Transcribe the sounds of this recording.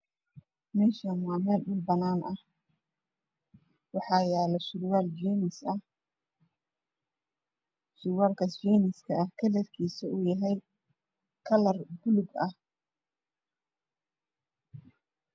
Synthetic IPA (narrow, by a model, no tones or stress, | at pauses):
mɛːʃɐmaːmɛːlʊlbɐnaːnɐh | wɑħɑːjaːlɐʃʊɾwaːld͡ʒiːnɪsɐh | sʊwaːlkʰɐsd͡ʒɛːnɪskʰɐɐhkʰɐlɛrkʰiːsɐʊːjɐɦɛj | kʰɐlɐrbʊlʊɡɐh